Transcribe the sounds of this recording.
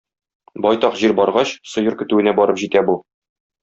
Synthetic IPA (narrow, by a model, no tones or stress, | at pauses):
bɒjt̪ɒqʑiɾbɒɾʁɑɕsŏjɤɾkɵ̆t̪ʉɘ̆næbɒɾɤpʑit̪æbu